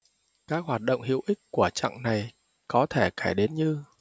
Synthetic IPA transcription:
kaː˦˥k̚ɦwaː˨˩t̚ɗə̰˧˨wŋ͡mɦḭ˧˨əwʔï˦˥k̚ku˧˩ət͡ɕa̰˧˨ŋna˨˩j | kɔ˨˦t̪ʰe˧˩kaː˧˩jɗe˨˦nɲɨ˧

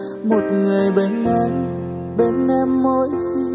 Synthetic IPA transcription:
mo˨˩t̚ŋɨ˨˩əjɓe˧˩nʔɛ˧m | ɓe˧˩nʔɛ˧mːo˧˦j

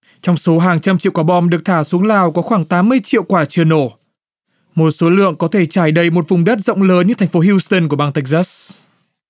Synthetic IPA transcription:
t͡ɕɔ˧wŋ͡mso˨˦ɦaː˨˩ŋt͡ɕa˧mt͡ɕḭ˧˨kaː˧˩ɓɔ˧mɗɨ˨˩ək̚t̪ʰaː˧˩su˨˦əŋlaː˨˩wkɔ˨˦xwaː˧˩ŋt̪aː˨˦mːɨ˧əjt͡ɕḭ˧˨wkwaː˧˩t͡ɕɨ˨˩əno˧˩ | mo˨˩t̚so˨˦lɨ̰˧˨əŋkɔ˨˦t̪ʰe˧˩t͡ɕaː˧˩jɗə˧˩jmo˨˩t̚vʊ˨˩ŋ͡mɗə˦˥t̚zə̰˧˨wŋ͡mləː˨˦nɲɨ˧t̪ʰŋ̟fo˨˦ɦi˧st̪ə˧nku˧˩əɓaː˧ŋt̪a˦˥k̟̚zaː˦˥s

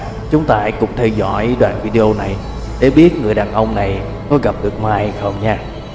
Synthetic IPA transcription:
t͡ɕʊ˨˦ŋ͡mt̪aː˧kʊ̰˧˥ŋ͡mt̪ʰɛ˧wzɔ̰˧˥jɗwaː˨˩nvi˧ɗe˧ʔo˧na˨˩j | ɗe˨˩ɓi˦˥ət̚ŋɨ˨˩əjɗaː˨˩nʔə˧wŋ͡mna˨˩j | kɔ˨˦ɣa˨˩p̚ɗɨ˨˩ək̚maː˧˩jxə˧wŋ͡mɲaː˧

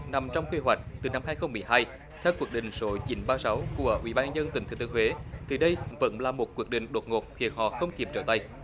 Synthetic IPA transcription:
na˨˩mt͡ɕɔ˧wŋ͡mkwi˧ɦwa˨˩jk̟̚t̪ɨ˨˩na˧mhaː˧jxə˧wŋ͡mːɨ˨˩əjɦaː˧j | t̪ʰɛ˧wkwi˧˩ək̚ɗḭ̈˧˨ŋ̟so˨˦t͡ɕi˨˦nɓaː˧sa˨˦wku˧˩əʔwḭ˧˩ɓaː˧zə˧nt̪i˨˩ŋt̪ʰɨ˨˩t̪ːəŋhwe˨˦t̪ʰi˨˩ɗə˧jvə̰˧˥nlaː˨˩mo˨˩t̚kwi˧˦ək̚ɗḭ̈˧˨ŋ̟ɗo˨˩t̚ŋo˨˩t̚xi˧˩ənɦɔ̰˧˨xə˧wŋ͡mki˨˩p̚t͡ɕəː˧˩t̪a˧˩j

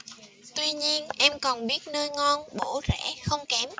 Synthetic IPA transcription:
t̪wi˧ɲi˧ənʔɛ˧mkɔ˨˩nɓi˦˥ət̚nəː˧jŋɔ˧nɓo˧˩zɛ̰˧˥xə˧wŋ͡mkɛ˨˦m

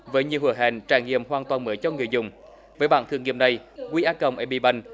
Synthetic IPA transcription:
vəː˨˦jɲi˨əwhu˨˧˩əɦa̰ː˧˩nt͡ɕaː˧˩ŋŋḭ˧˨əmhwaː˨˩nt̪waː˨˩nməː˨˦jt͡ɕɔ˧ŋɨ˨˩əjzʊ̰˨˧˨wŋ͡m | vəː˨˦jɓa̰ː˧˨t̪ɨ˧˩əŋḭ˧˨na˨˩jkwi˧ʔaː˨˥kə˨˩wŋ͡mʔɛ˨˩˦ɓḭ˧˩ɓa˧˩jŋ̟

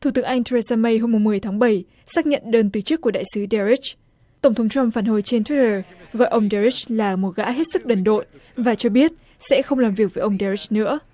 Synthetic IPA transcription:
t̪ʰu˧˩t̪ɨ˨˦əŋʔa˧jŋ̟t̪ʰə˧e˧zaː˧mə˧jɦo˧mːʊ˨˩ŋ͡mmɨ˨˩əjt̪ʰaː˨˦ŋɓə˧˩j | saː˦˥k̚ɲə̰˧˨nɗəː˧nt̪ɨ˨˩t͡ɕɨ˦˥kːu˧˩əɗa̰ː˧˨jsɨ˨˦ɗɛ˧ɹi˦˥t͡ɕ | t̪ə˧˩wŋ͡mt̪ʰə˨˦ŋ͡mt͡ɕwa˧mfaː˧˩nɦo˨˩jt͡ɕe˧nt̪ʰwi˦˥təː˨˩ɣɔ̰˧˨jʔə˧wŋ͡mɗɛ˧ɹi˦˥t͡ɕlaː˨˩mo˨˩t̚ɣa̰ː˧˥ɦe˦˥t̚sɨ˦˥k̚ɗə˨˩nɗo̰˧˨jvaː˨˩t͡ɕɔ˧ɓi˦˥ət̚ | sɛ̰˧˥xə˧wŋ͡mlaː˨˩mvi˨˩ək̚vəː˨˦jʔə˧wŋ͡mɗɛ˧ɹi˦˥t͡ɕ̚nɨ̰˧˥ə

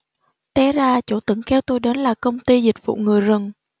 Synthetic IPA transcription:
t̪ɛ˧˦zaː˧t͡ɕo˧˩t̪ɨ˧˩˦ŋkɛ˧wt̪o˧jɗe˨˦nlaː˨˩kə˧wŋ͡mt̪i˧zï˨˩k̚vṵ˧˨ŋɨ˨˩əjzə˨˩ŋ

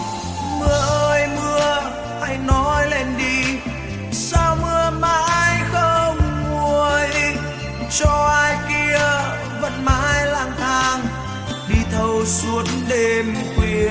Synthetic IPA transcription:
mɨ˨˧˩əʔəː˧jmɨ˧ə | ha˧˩jnɔ˨˦jle˧˩nɗi˧ | saː˧wmɨ˧əmaː˧˥jxə˧ŋ͡mmːu˨˧˩əj | t͡ɕɔ˧ʔaː˧jki˧ə | və̰˧˨nma̰ː˧˥jla̰ː˧˩ŋt̪ʰaː˧ŋ | ɗi˧˩t̪ʰə˧wsu˨˦ənɗe˧mkwi˧˩əən

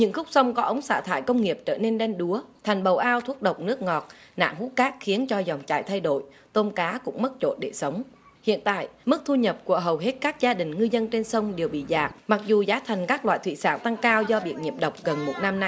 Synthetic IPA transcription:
ɲɨ̰˧˥ŋxʊ˦˥k͡p̚sə˧wŋ͡mkɔ˨˦ʔə˨˦wŋ͡msa̰ː˧˩t̪ʰa̰ː˧˨jkə˧wŋ͡mŋi˨˩əp̚t͡ɕəː˧˩ne˧nɗɛ˧nɗu˨˦ət̪ʰɛ˨˩jŋ̟ɓə˨˩wʔaː˧wt̪ʰu˦˥ət̚ɗə˨˩wk͡p̚nɨ˦˥ək̚ŋɔ˨˩t̚na̰ː˧˨ŋhu˨˦kaː˦˥k̚xi˨˦ənt͡ɕɔ˧za˨˩wŋ͡mt͡ɕa̰ː˧˨jt̪ʰa˧jɗo̰˧˨j | t̪o˧nkaː˨˦kʊ̰˧˥ŋ͡mmə˦˥t̚t͡ɕo̰˧˩t̚ɗe˧˩sə˨˦wŋ͡m | hḭ˧˨ənt̪a̰ː˧˨jmɨ˦˥k̚t̪ʰu˧ɲə˨˩p̚ku˧˩əɦə˨˩wɦe˦˥t̚kaː˦˥k̚zaː˧ɗï˨˩ŋ̟ŋɨ˧zə˧nt͡ɕe˧nsə˧wŋ͡mɗe˨˩əwɓḭ˧˨zaː˨˩p̚ma˨˩k̚zu˨˩zaː˨˦t̪ʰa˨˩jŋ̟kaː˦˥k̚lwa̰ː˧˨jt̪ʰwḭ˧˨sa̰ː˧˩nt̪a˧ŋkaː˧wzɔ˧ɓḭ˧˩ət̚ɲḭ˨˩əp̚ɗə˨˩wk͡p̚ɣə˨˩nmo˨˩t̚na˧mna˧jj

